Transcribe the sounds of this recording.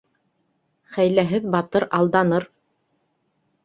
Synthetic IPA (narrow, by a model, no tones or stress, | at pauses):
χæjlæɦɘðbɑt̪ɤɾɑlˠd̪ɑnɤɾ